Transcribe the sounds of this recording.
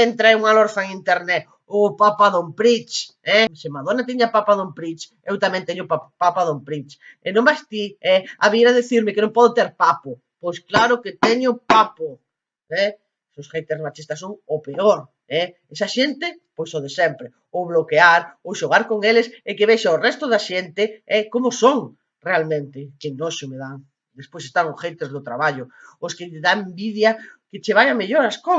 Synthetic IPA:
ent̪ɾaeuŋaloɾθaeŋint̪eɾnɛt | ʊpapaðompɾit͡ʃɛsemaðonat̪iɲapapaðompɾit͡ʃ | ewt̪amɛ̃nt̪ɛɲʊpapapaðompɾit͡ʃ | enõŋbast̪iɛa̰βieɾaðeθiɾmɪkenõŋpɔðʊt̪eɾpapʊ | pojsklaɾʊket̪ɛɲʊpapʊ | ɛ | sosrejt̪eɾsmat͡ʃist̪asːoŋopeoɾ | ɛ | esaʃent̪ɪ | pojsoðesɛmpɾɪ | ʊβlokeaɾoʃoɣ̞aɾkoŋelesekeβeʃaorɛst̪ʊðaʃent̪ɪɛkomʊsoŋ | realmẽnt̪ɪkɪnoʃomeðaŋ | d̪espojs̬est̪aŋosχejt̪ezðʊt̪ɾaβaʎʊʊskɪʎðaembiðjakɪt͡ʃeβ̞aʎameʎoɾasko

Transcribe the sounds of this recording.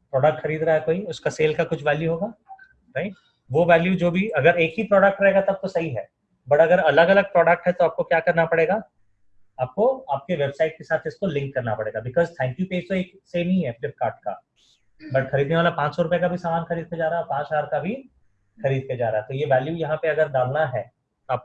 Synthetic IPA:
pɾɔːɖək̚ʈxɐɾiːd̪ɾaaɦɛkoːiʊskaseːlkakʊt͡ʃʰʋɛːljuɦoːɡaː | ɾaiʈ | ʋoʋɛːljud͡ʒoːbʱiɐɡəɾeːkɦipɾɔːɖək̚ʈɾɐɦeːɡat̪ɐb̚t̪osɐɦiɦɛː | bɐʈɐɡəɾɐləɡɐləɡ̚pɾɔːɖək̚ʈɦɛt̪oaːp̚kokjaːkɐɾnapɐɽeːɡaː | aːp̚koaːp̚keʋebsaːɪʈ̚kesaːt̪ʰɪskolɪ̃ŋkːɐɾnapɐɽeːɡabɪkɔːzt̪ʰɛ̃ɪ̃ɳʈjupeːd͡ʒt̪oeːk | senɐɦĩɦɛpɪf̚kaːɾʈ̚ka̰ | bɐʈxɐɾiːd̪neʋaːlapãːt͡ʃsɔɾʊpekabʱisaːmaːnxɐɾiːd̪̚ked͡ʒaːɾaɦaɛɔːɾpãːt͡ʃɦaɾkabʱi | xɐɾiːd̪̚ked͡ʒa̰ːɾa̰aɦɛt̪ojeʋɛːljujɐɦãpeɐɡəɾd̪aːlnaɦɛː | t̪oaːp̚

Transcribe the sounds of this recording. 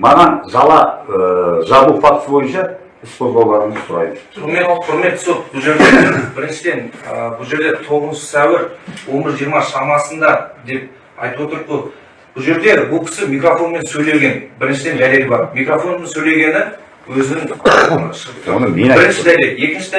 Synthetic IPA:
mɑʁɑnʒɑlˠɑəʒɑlˠufɑt̪ə̥səbo̞jənʃɑ | ɪspozbɑwlˠɑɾəməz̥sʰʊɾɑ̰jməzomeqʰʊɾme̞t̪ːso̞t̪̚bʊlˠʒe̞ɾd̪ebɪɾɪnʃɪd̪e̞nəbʊlˠʒe̞ɾd̪e̞t̪ʰo̞ʁəzsʃə̥sæwɪɾwo̞nbɪɾzʒijɾmɑʃɑmɑsənd̪ɑd̪e̞p̚ | ɑ̰jt̪əpwo̞t̪əɾd̪bə | b̥ʊlˠʒe̞ɾd̪e̞bʊlˠkʲʰɪ̥sɪmijkrofo̞nme̞nsɵjle̞ɡʲe̞nbɪɾɪnʃɪd̪e̞nd̪æle̞lɪbɑɾmijkɾofo̞nmensɵjle̞ɡʲe̞nɪ | wɵzɪnɪŋʃəo̰nmebɪɾɪnʃɪd̪æjlee̞kʲɪnʃɪd̪

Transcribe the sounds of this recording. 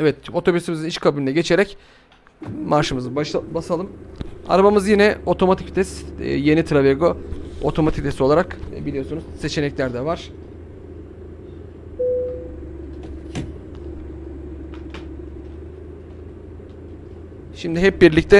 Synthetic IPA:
ɛvɛt̪o̞t̪ʰo̞bysimiziniʃkʰabilʲinʲɛɟe̞t͡ʃʰe̞ɾɛc | maɾʃɯmɯzɯbasalˠɯma̰ɾabamɯzjinɛo̞t̪ʰo̞mat̪ʰict̪ʰɛst̪ːje̞nit̪ʰɾaveɡoo̰t̪ʰo̞mat̪ʰi̥k̚t̪ʰɛso̞lˠaɾakːbilʲijo̞sunuz̥se̞t͡ʃʰe̞nɛclʲæɾd̪ɛvaɾ̝̥ | ʃimd̪ɪɦɛp̚biɾlʲic̚t̪ʰɛ

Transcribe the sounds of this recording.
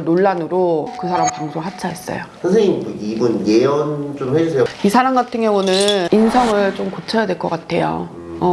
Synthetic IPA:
noɭːanɯɾokɯsʰaɾampaŋsʰoɦat͡ɕʰaɦe̞s͈ʌ̰josʰʌŋs̬ʰeŋioibunjejʌnt͡ɕ͈odoɸwed͡ʑʌsʰeoisʰaɾamɡatʰɯŋjʌŋunɯnninsʰʌŋɯɭt͡ɕomkot͡ɕʰʌjadwe̞ɭk͈ʌk͈atʰe̞jo̰ | ʌ

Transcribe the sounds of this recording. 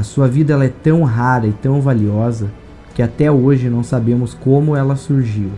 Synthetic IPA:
ɐsuɐvid̪ɐɛlɐɛt̪ɐ̃w̃ɦaɾɐɪt̪ɐ̃w̃valiɔzɐ | kɪat̪ɛoʒɪnɐ̃w̃sabẽmʊskõmʊɛlɐsuɾʒiw

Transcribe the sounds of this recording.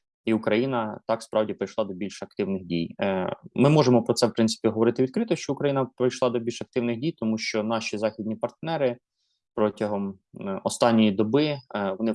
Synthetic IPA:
iukɾɐjinɐt̪ɑkspɾɑwdʲipɾɪjʃlˠɑd̪ɔbʲilʲʃɐk̚t̪ɪwnɪxdʲḭj | mɪmɔʒemɔpɾɔtsɛwpɾɪnsɪ̥pʲiɦɔʋɔɾɪt̪ɪʋʲid̪kɾɪt̪ɔʃt͡ʃɔʊkɾɐjinɐpɾɪjʃlˠɑd̪ɔbʲilʲʃɐk̚t̪ɪwnɪxdʲijt̪ɔmuʃt͡ʃɔnɑʃizɑxʲid̪ʲnʲipɐrt̪nɛɾɪ | pɾɔtʲɐɦɔm | ɔst̪ɑnʲːɔjid̪ɔbɪʋɔnɪ

